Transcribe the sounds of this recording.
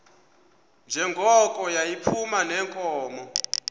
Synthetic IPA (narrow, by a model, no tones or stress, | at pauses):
nd͡ʒʱɛŋɡʱɔkʼɔjajipʰumanɛːŋkʼɔːmɔ